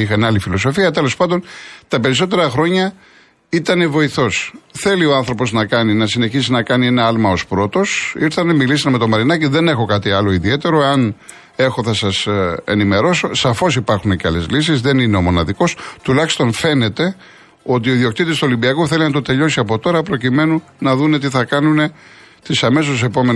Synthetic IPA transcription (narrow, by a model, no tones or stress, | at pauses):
ixɐnɐlifilo̞s̬o̞fiɐt̪e̞lo̞spɐnd̪o̞nt̪ɐpe̞ɾis̬o̞t̪e̞ɾɐxɾo̞ɲɐ | it̪ɐne̞vo̞iθo̞sθe̞lioɐnθɾo̞po̞znɐkɐninɐsine̞çisinɐkɐnie̞nɐɐlmɐo̞spɾo̞t̪o̞siɾθɐnemilisɐnme̞t̪omɐɾinɐciðe̞nexo̞kɐt̪iɐlo̞iðie̞t̪e̞ɾo̞eɐn | e̞xo̞θɐsɐsḛnime̞ɾo̞so̞sɐfo̞sipɐɾxuneceɐle̞zlisizðe̞nineo̞mo̞nɐðiko̞st̪ulɐçi̥st̪o̞nfe̞ne̞t̪e̞ | o̞t̪ioiðio̞kt̪it̪ist̪olimbiɐkoθe̞linɐt̪o̞t̪e̞ʎo̞siɐpo̞t̪o̞ɾɐpɾo̞cime̞nu | nɐðune̞t̪̬iθɐkɐnune̞ | t̪isɐme̞s̬os̬e̞po̞me̞n